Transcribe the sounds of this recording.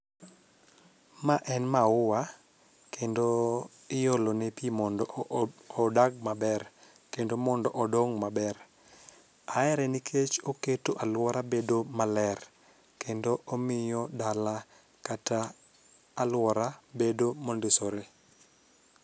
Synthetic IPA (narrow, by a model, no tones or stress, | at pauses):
maʔɛnmaʊwa | kendo | ɪjolonepiimɔnɔ | daɡ̚mabɛr | kendomɔndɔʔɔdɔŋmabɛr | aɛɾɛnikʰet͡ʃoketoʔalwɔɾabedomalɛr | kendoʔɔmɪjɔdala | kataː | lwɔɾabedomondɪsoɾe